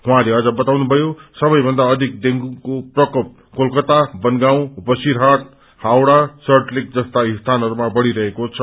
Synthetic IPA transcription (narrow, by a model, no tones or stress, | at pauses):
ɦũãleʌd͡zʌbʌt̪awnubʱʌjosʌbʌjbʱʌnd̪aʌd̪ʱik̚d̪eŋɡukoprʌkʌp̚ | kolkʌt̪abʌnɡaw̃bʌsiɾɦaʈ̚ | hawɽasʌrʈlik̚d͡zʌst̪aist̪ʰanɦʌɾumabʌɽiɾʌɦekot͡sʰʌ